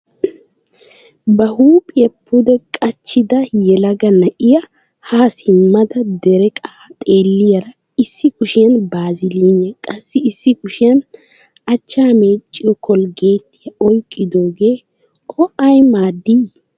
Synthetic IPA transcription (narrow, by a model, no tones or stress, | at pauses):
bɐhuːpʼɪɛpʰːʊd̪ɛkʼɐt͡ʃːɪd̪ɐjɛlɐɡɐnɐʔɪjɐ | haːsɪmːɐd̪ɐd̪ɛɾɛkʼaːt̪ʼe̞ːlːɪjɐɾɐ | ɪsːɪkʊʃɪjɐnbaːzɪliɲːɐkʼɐsːɪɪsːɪkʊʃɪjɐn | ɐt͡ʃːaːme̞ːt͡ʃʼːɪjɔkʰɔlɡe̞ːt̪ːɪjɐʔɔjkʼːɪd̪o̞ːɡe̞ː | kʰɔɐjmaːd̪ːɪj